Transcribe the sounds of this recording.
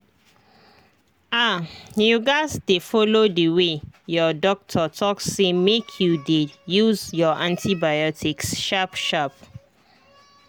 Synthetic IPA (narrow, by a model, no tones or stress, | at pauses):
ajuɡaɪzdefɔlodəwejɔdɔk̚tʰɔtʰɔksːemekʰjudejuzjɔʔãntʰibajɔtʰiksʃapʃap